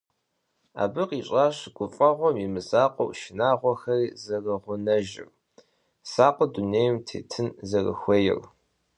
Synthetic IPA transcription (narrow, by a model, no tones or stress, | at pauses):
a̰ːbɨqiːɕʼaːɕɡ̥ʷʊfʼɐʁʷɔmimɨsaːqʷʼɔwʃɪnaːʁʷɔxɐrizɐrɐʁʷʊnɐʒɪ̰r | saːqʷʼɔduneːjmtʰḛːtʰɨnzɐrɐ̰xʷɐjɪ̰r